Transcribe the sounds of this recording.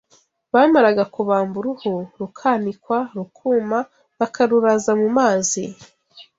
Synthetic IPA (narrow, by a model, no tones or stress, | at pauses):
βaːmaɾaɡakuβaːmbuɾuhoɾukʰaːnikwaɾukʰuːma | βakʰaɾuɾazamumaːzi